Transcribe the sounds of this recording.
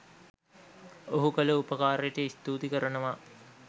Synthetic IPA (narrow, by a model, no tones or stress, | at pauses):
oɦukələupəkaːɾejəʈəist̪uːt̪ikəɾɐnəʋa